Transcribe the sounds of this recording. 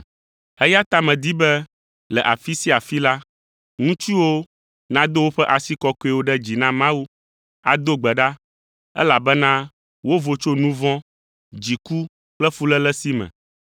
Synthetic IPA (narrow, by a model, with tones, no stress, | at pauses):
ɛ˦ja˦t̪a˦˨mɛ̃˨d̪i˦bɛ˦ | lɛ˨ʔa˨fi˦si˦a˨fi˦la˦ | ŋũ˦t͡ʃi˦wo˦ | nã˦d̪o˦wo˦ɸɛ˦ʔa˨si˦kɔ˦ko˦e˨wo˦ɖɛ˦d͡ʑi˨nã˦mã˦wu˦ | a̰˨d̪o˦ɡ͡bɛ˨ɖa˦ | ɛ̰˦la˨bɛ˦nã˦ | wo˦vo˨t͡ʃo˦nũ˦vɔ̃˦ | d͡ʑi˨ku˦ | k͡plɛ˦fu˦lɛ˦lɛ˦si˦mɛ̰̃˨